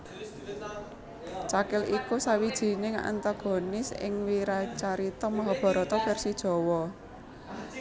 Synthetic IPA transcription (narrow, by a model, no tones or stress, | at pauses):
t͡ʃakɪlikusawid̥ʒ̥i̤neŋa̰ʔa̰nt̪aɡ̥o̤nɪsɪ̰ŋwiɾat͡ʃaɾit̪ɔmaɦɔb̥ɔ̤ɾɔt̪ɔfɛrsid̥ʒ̥ɔ̤wɔ